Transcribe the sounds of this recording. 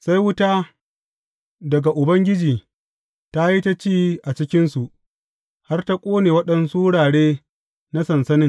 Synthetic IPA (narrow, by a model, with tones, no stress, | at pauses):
sa˦jwʊ˦ta˦ | dɐ˨ɡa˨ʔʊ˨bɐ˦ŋɡʲɪ˦d͡ʒiː˨ | ta˦ji˦ta˦t͡ʃiː˦ʔa˨t͡ʃɪ˦kʲɪ˦nsu˨ʔ | ha˦rta˦kʷʼoː˦neː˨wɐ˦ɗɐ˦nsuː˦ɽaː˨ɽeː˦ | na˦sɐ˨nsɐ˦nɪ˦ŋ